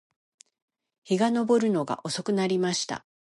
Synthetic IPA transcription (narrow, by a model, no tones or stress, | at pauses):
çiɡano̞bo̞ɾɯ̟no̞ɡa̰ʔo̞so̞kɯ̟naɾʲimaɕi̥t̪a̰